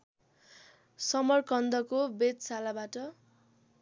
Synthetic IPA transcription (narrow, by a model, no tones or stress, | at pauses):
sʌmʌrkʌnd̪ʌkobed̪salabaʈʌ